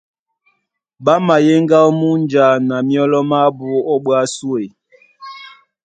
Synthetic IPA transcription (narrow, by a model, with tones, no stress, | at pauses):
ba˦ma˨je˦ŋɡa˦mu˦n˦d͡ʒa˨˦na˨mjɔ˦lɔ˦ma˦bu˦ɔ˦ɓwa˦su˦e˨